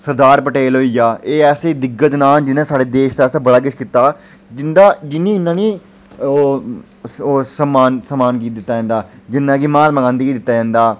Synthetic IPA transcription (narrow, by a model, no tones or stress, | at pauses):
səɾd̪aːɾpəʈeːlɦoːiːjaːeːɛːseːd̪ɪɡəd͡ʒnaːld͡ʒɪnãːsaːɽeːd̪eːʃt̪ɛːsaːbəɽaːɡɪʃkiːt̪aː | d͡ʒɪnd̪aːd͡ʒɪnːĩːɪnːãːnĩː | o | oːsəmːaːnsəmaːnkiːd̪ɪt̪ːaːd͡ʒãːnd̪aːd͡ʒɪnːãːkimãːt̪məɡãːnd̪iːkiːd̪ɪt̪ːaːd͡ʒãːnd̪aː